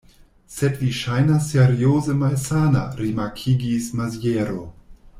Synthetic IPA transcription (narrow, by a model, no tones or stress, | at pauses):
setliʃajnasːeɾiozəmalsana̰ɾimakʰiɡismazjeɾo